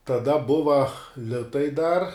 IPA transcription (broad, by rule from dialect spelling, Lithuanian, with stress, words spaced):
tɐˈdɐ ˈbʊʋɐ ˈlʲɪtɐɪ dɐr